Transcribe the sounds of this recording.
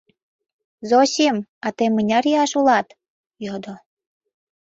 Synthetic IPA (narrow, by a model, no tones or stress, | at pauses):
zoɕimɑt̪emənʲɑrjɑʃulɑt̪ | jod̪o